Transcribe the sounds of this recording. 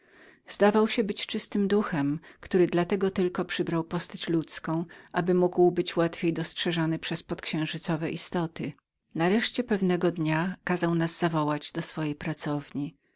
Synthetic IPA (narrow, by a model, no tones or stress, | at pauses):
z̥d̪avawɕɛbɘt͡ɕt͡ʂɘst̪ɘmd̪uxɛmkt̪uɾɘd̪lat̪ɛɡɔt̪ɘlkɔpʂɘbɾawpɔst̪at͡ɕlut̪skɔ̃w̃ʔabɘmuɡwbɘt͡ɕwat̪fʲjejd̪ɔstʂɛʐɔnɘpʂɛspɔt̪kɕɛ̃w̃ʐɘt̪sɔvɛʔist̪ɔt̪ɘ | naɾɛʂt͡ɕɛpɛvnɛɡɔd̪ɲakazawnazzavɔwad͡ʑd̪ɔsfɔjejpɾat̪sɔvɲi